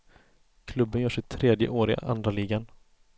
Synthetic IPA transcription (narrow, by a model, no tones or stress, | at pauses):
kʰlɵbːənjœːʂɛɪt̪ʰɾeːd̪jə̰ʔoːɾɪɡa̰ʔa̰nd̪ɾaliːɡan